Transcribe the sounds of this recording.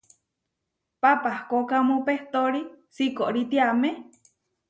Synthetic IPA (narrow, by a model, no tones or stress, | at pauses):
papahkokamũpeht̪oɾisikoʔɾit̪iame